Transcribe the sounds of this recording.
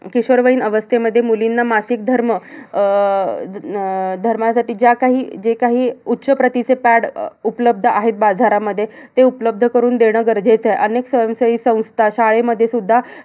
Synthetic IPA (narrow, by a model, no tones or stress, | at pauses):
kiɕəɾʋəiːnəʋəst̪ʰeməd̪ʱːjemulinːamasik̚d̪ʱəɾmə | d̪ʱəɾmasaʈiːd͡ʑjakaɦiːd͡ʑekaɦiːutːɕəpɾət̪it͡sepæɽupələb̚d̪ʱəaɦet̪̚bad͡zʱaɾaməd̪ʱːjet̪eupləb̚d̪ʱəkəɾuːnd̪eɽ̃əɡəɾd͡zʱet͡sejʔəneksə̃səiːsə̃w̃st̪ʰaɕaɭeməd̪ʱːjesud̪ʱːa